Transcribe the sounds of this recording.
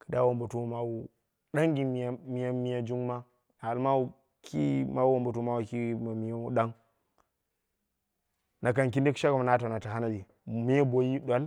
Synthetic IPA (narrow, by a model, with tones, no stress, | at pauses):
ki̥˨da˦wo˨mba˨tu˦ma˦wu˨ | ɗa˦ŋɡi˨mi˨˦mi˨ja˦mi˦ja˦d͡ʒu˦ŋma˦ | a˨lma˦wu˦ | kḭ˦ma˦wwo˦˨mba˨tu˦ma˦wu˨ki˦ma˨mi˨jo˦u˦ɗa˦ŋ | na˨ka˨ŋki˦ndi˦kʃa˦ka˨ma˨na˦ta˨na˨ta˨ɦa˦na˦li˨ | mi˦ja˦bo˦ji˦ɗʷa˦l